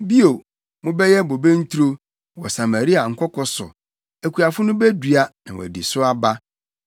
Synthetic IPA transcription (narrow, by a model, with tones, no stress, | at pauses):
bi˦o˨ | mʊ̃˦bɛ˦jɛ˦bo˨bẽ˦n̩˦t̪ʰu˦ɾo˦ | wɔ˨sa˨mã˨ɾi˦a˨ŋ̩˨kʰʷɔ˦kʰɔ˦sʊ̰˨ | æ˨kʰu˨a˨fʊ˦nʊ̃˦bɛ˦du˨a˦nã˨wɔ̰˨di˨sʊ˦a˦ba˦